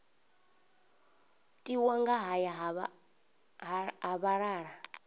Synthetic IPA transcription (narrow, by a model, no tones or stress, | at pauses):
tʼiwaŋɡaɦaja | ɦaβaɺaːɺa